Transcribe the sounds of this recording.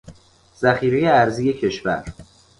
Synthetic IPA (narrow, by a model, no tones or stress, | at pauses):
z̥æxiːɾeje̞æɾziːje̞cʰe̞ʃvæ̰ɾ